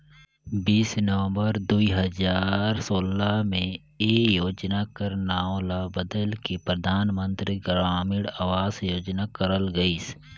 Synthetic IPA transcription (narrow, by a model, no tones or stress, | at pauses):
biːsnəʋə̃mbəɾd̪uiɦəzaːɾsoːlamẽ | eːjoːd͡ʒnakəɾnaːlabəd̪əlkepɾəd̪ʱaːnmə̃nt̪ɾiɡɾaːmɪɽaːʋaːsjoːd͡ʒnakəɾəlɡəiːs